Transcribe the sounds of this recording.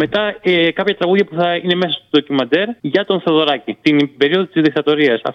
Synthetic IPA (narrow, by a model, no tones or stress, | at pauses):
me̞t̪ɐkɐpçɐt̪ɾɐɣuðʝɐpuθɐine̞me̞sɐst̪uðo̞cimɐnd̪e̞ɾʝɐt̪o̞nθeoðo̞ɾɐcit̪inbe̞ɾio̞ðot̪izðik̚t̪ɐt̪o̞ɾiɐsɐ̰f